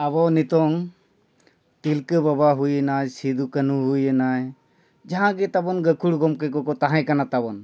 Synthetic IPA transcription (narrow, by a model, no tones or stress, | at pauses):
ɐbɔnit̪ɔŋ | t̪ilkəbɐbaɦujɛnajsid̪ʱukənuɦujɛnaj | d͡ʒɐɦãɡit̪ɐbɔnɡɐkʰuɽɡɔmkekɔkɔt̪aɦãɛ̃kɐnat̪abɔn